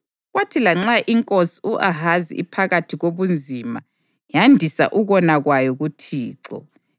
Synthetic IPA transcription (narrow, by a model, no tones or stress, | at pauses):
ɣwatʰilaŋ͡ǁaʔiŋkʼosi̥uʔaɦazḭḭpʰaɣatʰiɣoβund͡zʱima | jandʱisa̰ʔuɣɔnaɣwajɔɣutʰiːǁɔ̰